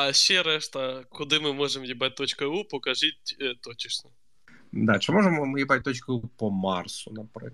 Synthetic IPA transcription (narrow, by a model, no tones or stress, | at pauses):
ɐɕeɾɛʂt̪ɐkʊd̪ɨmɨmoʐɨmjɪbɾat̚ʲt̪ot͡ɕkɐupʊkɐʐɨt̚ʲt̪ot͡ɕɪʂnʲɐ | d̪at͡ʃəmoʐəmmjɪbɾat̚ʲt̪ot͡ɕkəupəmarsʊnɐpɾɐ̰